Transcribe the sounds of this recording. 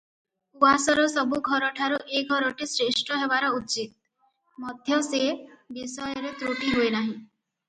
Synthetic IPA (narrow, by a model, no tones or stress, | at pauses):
uasɔɾɔsɔbuɡʱɔɾɔʈʰaɾuʔeɡʱɔɾɔʈisɾeʃʈʰɔɦebaɾɔut͡ʃit̪̚ | mɔd̪ʱjɔsebisɔjɔɾet̪ɾoʈiɦoenaɦĩ